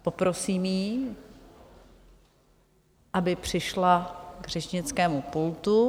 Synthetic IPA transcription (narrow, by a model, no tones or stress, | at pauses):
po̞pɾo̞siːmjiː | ʔabɪpr̝̥ɪʃlaɡrɛʃɲɪt͡skɛːmupult̪u